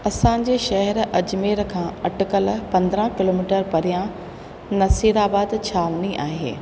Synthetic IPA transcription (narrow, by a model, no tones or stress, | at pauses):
ɐsãɲ̆d͡ʑeːʃɐɦɛɾɐd͡ʑmeːɾkʰãːɐʈʊkəlpɐ̃nd̪ɾə̃kɪloːmiːʈəɾpɐɾijã | nɐsiːɾaːbaːd̪t͡ɕʰaːʋniʔaːɦḛː